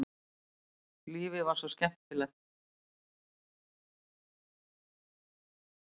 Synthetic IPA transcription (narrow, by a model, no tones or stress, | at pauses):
liːvɪvaɾ̥sɔscɛm̥t̪ɪlɛxt̪